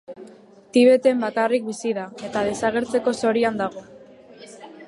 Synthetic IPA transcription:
t̪iβ̞e̞t̪e̞mbakarik̚bisiðae̞t̪að̞e̞saɣ̞e̞ɾt͡se̞ko̞so̞ɾiand̪aɣ̞o̞

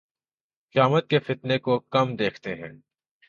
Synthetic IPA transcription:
qɪjaːmət̪̚kefɪt̪nekokɐmd̪eːkʰt̪eɦɛ̰̃ː

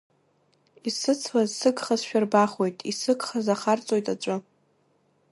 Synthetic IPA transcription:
isɨt͡sʰwazsɨɡχazʃᶣarbaχojtʼisɨɡχazaχart͡sʼo̞jtʼaʈ͡ʂʷʼɨ

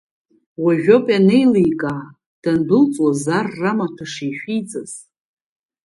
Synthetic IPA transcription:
waʒᶣopʼane̞jlijkʼaː | d̥anbɨlt͡sʼwazarːamatʰaʂijʃᶣijt͡sʼaz

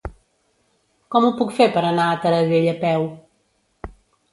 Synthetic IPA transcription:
kɔmupukfeɾpɐɾɐnat̪ɐɾɐɣeʎɐpɛw

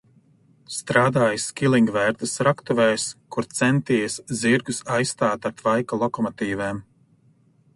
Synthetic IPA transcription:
st̪ɾaːd̪aːjskʲilˠiŋɡvɛːɾt̪ɨsɾakt̪uvɛjskuɾt̪sɛnt̪iːjsziɾɡusajst̪aːt̪aɾt̪vajkalˠɔkɔmɔt̪iːvɛːm

